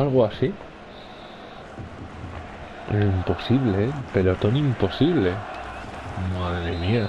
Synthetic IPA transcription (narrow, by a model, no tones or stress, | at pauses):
alɣoasi | impo̞siβlepe̞lo̞t̪o̞nimpo̞siβle̞ | maðɾemia